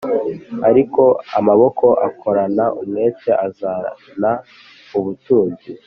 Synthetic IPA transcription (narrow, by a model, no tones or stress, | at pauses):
aɾiko̞a̰maβo̞ko̞ʔakʰo̞ɾanaʔumŋe̞ːt͡ʃeʔaza | na | uβutuːzi